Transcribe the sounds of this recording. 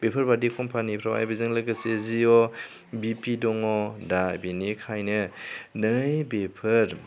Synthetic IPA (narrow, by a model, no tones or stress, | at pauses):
b̥epʰɐɾbadikʰɔmpʰanipʰɾawa̰jbizɯŋlɯɡɯseziɔ | bipidɔŋɔdabinikʰajnɯnɯjbepʰɯɾ